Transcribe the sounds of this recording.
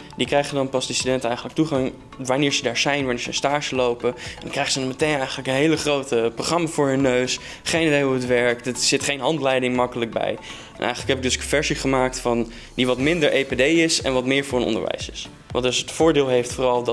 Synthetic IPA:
dikrɛjχədɑnpɑzdɪstydɛntəɛjχələk̚tuχɑŋ | ʋaːnɪːɹzədaːɹzɛjnʋaːɹnɪːɹzənstaːɹzəlowpəɛndɑŋkrɛjχəzənɑmətejnɛjχənləkənɦejləχrowtəproχrɑmaːvʊːɹɦɵnːøɥs | χejnidejɔpətʋɛɹkdəsɪtχejnɦɑntlɛjdɪŋmɑkələk̚bɛ̰j | nʔɛ̰jχələkɦɛpɪɡ̚dɵskvɛɹziχəmaːktfɑn | diʋɑtmɪndəɹʔejpedejɪsɛ̰nʋɑtmɪːɹvʊːɹənɔ̰ndə̰ɹʋɛ̰jsɪs | ʋɑ̰ndɵsətfʊːɹdɪːlˠɦejftfʊːrɑlˠd

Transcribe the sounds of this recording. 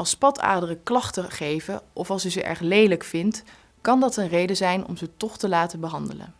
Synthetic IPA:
ɑlˠspɑtʰa̰ːdərəklɑχtəχejvəʔɔfɑlˠsyzəʔɛ̰ɹχlejləkfɪnt | kɑndɑtənrejdəzɛjnɔ̰mzətɔχtəlaːtəbəɦɑndələ̰n

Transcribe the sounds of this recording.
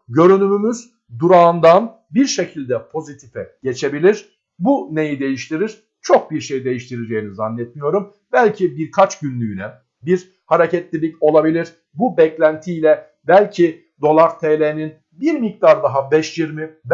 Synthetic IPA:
ɟø̞ɾynymymyz | d̪uɾaːnd̪an | biɾʃe̞cʰilʲd̪ɛpʰo̞zit̪ʰifɛ̰ɟ̥e̞t͡ʃʰe̞bilʲiɾ̥ | bune̞jid̪e̞jiʃt̪ʰiɾiɾ̥ | t͡ʃʰo̞k̚biɾʃejid̪e̞jiʃt̪ʰiɾed͡ʒe̞jinizanːɛt̪mijo̞ɾum | bælʲcʰibiɾkʰat͡ʃɟynlʲyjynɛ | biɾ | haɾecɛt̪lʲilʲico̞lˠabilʲiɾ̥ | bubɛclʲænt̪ʰiːlʲɛ | bælʲcʰi | d̪o̞lˠaɾt̪ʰeːlʲenin | biɾmik̚t̪ʰaɾd̪aɦabɛʃjiɾmib

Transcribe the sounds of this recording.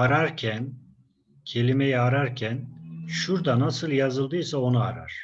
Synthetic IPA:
aɾaɾcʰæn | cʰe̞lʲime̞jɛaɾaɾcʰænʃuɾd̪anasɯlˠjazɯlˠd̪ɯjsao̞nuaɾa̰ɾ̥

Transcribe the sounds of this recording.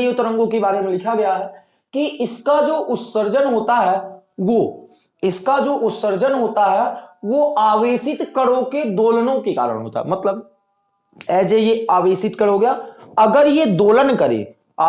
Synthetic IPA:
ijʊt̪ɾə̃ŋɡõkebaːɾemẽlɪkʰaɡɐjaɦɛː | kiɪskad͡ʒoːʔʊt̪səɾd͡ʒənɦoːt̪aɦɛːʋoː | ɪskad͡ʒoːʔʊt̪səɾd͡ʒənɦoːt̪aɦɛʋoʔaːʋeːsɪt̪kəɽoked̪oːlnõkeka̰ːɾə̰ɽ̃ɦo̰ːt̪a̰ɦɛ̰mɐt̪ləb̚ | ɛːd͡ʒejeaːʋeːsɪt̪kɐəɽɦoɡɐjaɐɡəɾjed̪oːlənkɐɾḛː | aː

